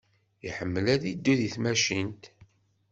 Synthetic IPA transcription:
ḭħəmːəlæðid̪ːuðiθmæʃint̪

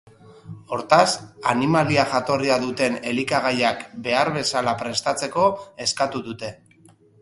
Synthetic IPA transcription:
o̞ɾt̪asanimaliaʝat̪o̞riaðut̪e̞ne̞likaɣajakbe̞aɾβe̞salapɾe̞st̪at͡se̞ko̞e̞skat̪uðut̪e̞

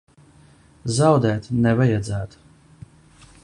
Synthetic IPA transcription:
zawd̪ɛːt̪nɛvajad̪zæːt̪

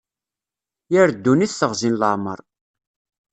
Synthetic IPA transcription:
jəɾd̪ːuniθθəʁzinləʕmə̰ɾˤ

